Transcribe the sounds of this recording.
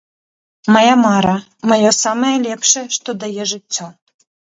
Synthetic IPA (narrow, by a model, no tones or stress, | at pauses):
mɐjamaɾɐ | mɐjɔsamɐjɛlʲɛpʂɛʂt̪ɔd̪ajɛʐɨt͡sʲːɔ